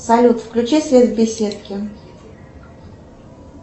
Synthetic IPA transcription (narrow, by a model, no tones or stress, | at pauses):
sɐlʲut̪fklʲʉt͡ɕisʲvʲevbʲɪsʲet̪kʲɪ